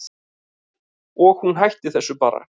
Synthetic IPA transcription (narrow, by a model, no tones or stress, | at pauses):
ɔɣhunɦajht̪ɪθɛsːʏpa̰ːɾa̰